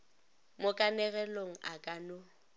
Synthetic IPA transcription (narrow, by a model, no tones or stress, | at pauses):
mʊkʼanɛɣɛloŋ̩akʼanʊ